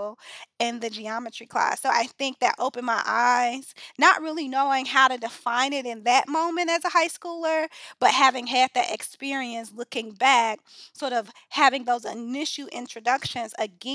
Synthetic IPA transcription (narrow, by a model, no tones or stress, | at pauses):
lˠɨ̃nðɨd͡ʒiɑmɨt͡ʃɹ̥ikʰl̥æ̰sːoʊʔa̰ɪθɪ̃ŋk̚ðɨ̰ɾʔoʊpɨ̃nmaɪʔaɪz̥nəʔ̚ɹɪlˠinoʊɪ̃ŋɦaʊɾɨdɨfãɪ̃ñɪɾɨ̃nðɨt̚mõʊ̃mɨ̃ntɨzəhaɪskulˠə˞b̥ʌt̚ɦævɪ̃ŋɨd̪̚ðɨɾʔɨkspɪɹiɨ̃nslʊkɪ̃ŋbæk | sɔɹɾʌv̥ | hævɪ̃ŋðoʊzɨnɪʃl̩ˠʔɪ̰̃nt͡ʃɹ̥ɨdʌkʃɨ̃nzɨɡɛ̃